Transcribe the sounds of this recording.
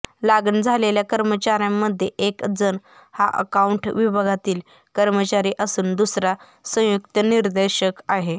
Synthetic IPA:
laɡənd͡zʱaleljakəɾmət͡ɕaɾjamːəd̪ʱːjeʔekd͡zən | haʔə̰kauɳʈʋibʱaɡʱat̪iːl | kəɾmət͡ɕaɾiːʔəsuːnd̪usɾa | sə̃juk̚t̪əniɾd̪eɕəkaɦe

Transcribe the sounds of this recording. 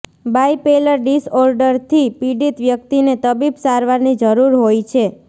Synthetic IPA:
bajpeləɾɖisɔɾɖəɾt̪ʰipiɖit̪ʋjək̚t̪inet̪əbibsaɾʋaɾnid͡ʒəɾuɾɦojt͡ʃʰe

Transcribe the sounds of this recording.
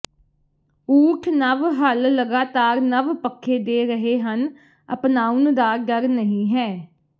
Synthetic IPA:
uːʈʰnəʋɦəlːəɡaːt̪aːɾnəʋpəkʰːeːd̪eːɾəɦeːɦən | əpnaːund̪aːɡəɾnəɦĩːɦɛː

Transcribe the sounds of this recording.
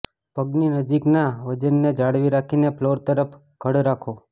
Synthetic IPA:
pəɡninəd͡ʒiknaʋəd͡ʒənːed͡ʒaɽʋiɾakʰineploɾt̪əɾəpʰ | ɡ̥ʱəɽɾakʰo

